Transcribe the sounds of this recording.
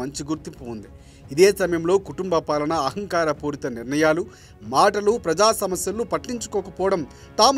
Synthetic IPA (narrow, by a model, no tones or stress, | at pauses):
ɐɲt͡ʃiɡuɾt̪impuːnd̪i | id̪eːsɐmɐjɐmlo̞ːkuʈumbɐpaːlɐnɐːɦɐŋkaːɾɐpuːɾit̪ɐniɾɳɐjaːlu | maːʈɐlupɾɐd͡ʒaːsɐmɐsjɐlːupɐʈːiɲt͡ʃu̥kɔːkɐpɔːɐɽɐm | t̪aːm